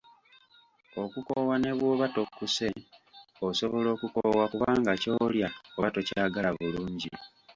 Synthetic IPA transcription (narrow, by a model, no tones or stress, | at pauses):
o̞kukowane̞βwoβato̞kːuse̞ | oso̞βo̞lo̞ːkukowakuβaːŋɡaco̞ːljaoβatocaɡalaβuluːɲɟḭ